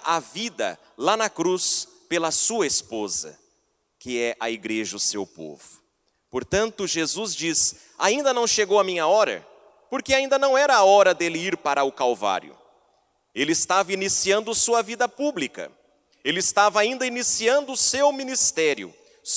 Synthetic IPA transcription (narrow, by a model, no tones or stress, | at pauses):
ʔavid̪ɐ̰ | lanɐkɾus | pelɐsuɐespozɐ̰ | kɪɛʔɐ̰iɡɾeʒɐʊsewpo̰vʊ̥ | poɾt̪ɐ̃nt̪ʊʒezuzd͡ʒis | aĩnd̪ɐnɐ̃w̃ʃeɡowɐmĩɲɐɔɾɐ̰ | poɾkeaĩnd̪ɐnɐ̃w̃ɛɾɐːɔɾɐd̪elɪiɾpaɾɐʊkawva̰ɾjʊ̰ | elɪɪst̪avɐinisiɐ̃nd̪ʊsuɐvid̪ɐpublikɐ̰ | elɪɪst̪avɐaĩnd̪ɐinisiɐ̃nd̪ʊsewmĩnist̪ɛɾjʊ̰